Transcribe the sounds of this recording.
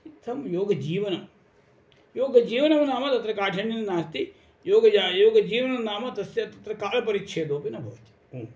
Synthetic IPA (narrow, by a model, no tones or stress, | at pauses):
it̪ʰɐmjoːɡɐd͡ʒiːʋɐnɐ | joːɡɐd͡ʒiːʋɐnɐʋɐnaːmɐt̪ɐt̪ɾɐkaːʈʰɐɳinɐnaːst̪i | joːɡɐd͡ʒaːjoːɡɐd͡ʒiːʋɐnɐnaːmɐt̪ɐsɐt̪ɐt̪ɾɐkaːlɐpɐɾitːʃʰeːd̪oːpinɐbʱɐːt̪i̥o